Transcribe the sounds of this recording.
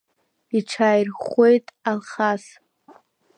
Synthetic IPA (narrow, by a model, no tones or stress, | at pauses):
iʈ͡ʂʰaːjrχʷe̞jtʼalχas